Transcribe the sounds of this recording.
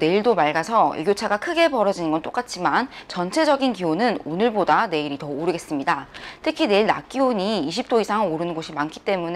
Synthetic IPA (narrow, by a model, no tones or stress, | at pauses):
ne̞iɭdomaɭɡasʰʌḭɡjot͡ɕʰaɡakʰɯɡe̞pʌɾʌd͡ʑinɯnɡʌnt͈ok͈at͡ɕʰimant͡ɕʌnt͡ɕʰe̞d͡ʑʌɡinkionɯnonɯɭbodane̞iɾitʌoɾɯɡe̞s͈ɯmɲidatʰɯkʰine̞iɭna̰k͈iwoɲiːɕʰip̚t͈oisʰaŋoɾɯnɯnɡoɕʰimankʰi̥t͈e̞mun